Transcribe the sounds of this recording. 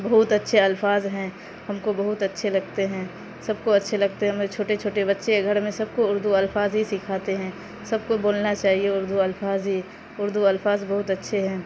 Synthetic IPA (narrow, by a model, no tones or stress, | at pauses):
bɐɦʊt̪ɐtːʃʰeɐlfaːzɦɛ̃ː | hɐmkobɐɦʊt̪ɐtːʃʰelɐɡ̚t̪eɦɛ̃ː | sɐb̚koɐtːʃʰelɐɡ̚t̪eɦɛɦmɾet͡ʃʰoːʈet͡ʃʰoːʈebɐtːʃʰeeɡʱɐɾmẽsɐb̚koʊɾd̪uɐlfaːzɦisɪkʰaːt̪eɦɛ̃ː | sɐb̚koboːlnat͡ʃaːɦieʊɾd̪uɐlfaːzɦi | ʊɾd̪uɐlfaːzbɐɦʊt̪ɐtːʃʰeɦɛ̃ː